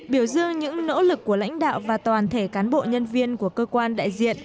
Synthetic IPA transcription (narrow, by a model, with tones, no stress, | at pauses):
ɓi˧˩əwzɨ˧əŋɲɨ̰˧˥ŋno̰˧˥lɨ˨˩kːu˧˩əla̰˧˥jŋ̟ɗa̰ː˧˨wvaː˨˩t̪waː˨˩nt̪ʰe˧˩kaː˨˦nɓo̰˧˨ɲə˧nvi˧ənku˧˩əkəː˧kwaː˧nɗa̰ː˧˨jzḭ˧˨ən